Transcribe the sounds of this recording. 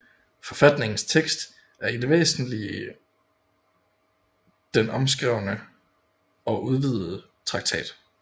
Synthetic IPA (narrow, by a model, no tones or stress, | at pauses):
fɒ̽fæd̥ne̝ŋn̩st͡sʰeɡ̥sd̥ | æɐide̝ʋḛːsn̩liə | d̥enɒ̽ms̬ɡ̥ʁɛʊ̰nə | ɒ̽ʔuð̞ˠʋið̰̩ˠə | t͡sʰʁɑ̈ɡ̥t͡sʰɛ̰ːd̥